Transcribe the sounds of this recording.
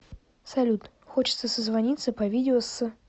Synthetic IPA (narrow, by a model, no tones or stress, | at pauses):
salʲut̪ | xɔt͡ɕɪ̥t̪səsəzvanʲit̪sːɐpɐvʲid̪ʲɪɔsːɨ